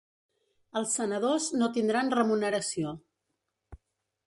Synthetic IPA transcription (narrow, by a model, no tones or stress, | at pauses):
əlˠsːənəðoznot̪ind̪ɾanrəmunəɾəsio